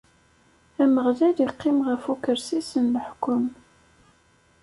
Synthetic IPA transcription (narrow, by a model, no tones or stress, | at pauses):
æməʁðædiqːɪmʁəfukəɾsisənləħkːʊm